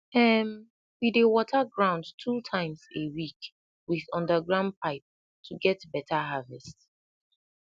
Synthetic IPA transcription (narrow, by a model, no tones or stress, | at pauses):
ɛm | widewɔtʰəɡɹãʊ̃ndtʰutʰãɪ̃mzewik | wiðʌ̃ndəɡɹãʊ̃nd̚pʰaɪp̚ | tʰuɡɛtbɛtʰaɦavɛst